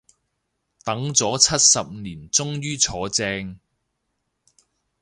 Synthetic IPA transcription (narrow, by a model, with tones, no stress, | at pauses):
t̪ɐ˨˥ŋt͡sɔː˨˥t͡sʰɐ˥t̚sɐ˨p̚niː˨˩nt͡sʊ˥ŋjyː˥t͡sʰɔː˨˥t͡sɛː˧ŋ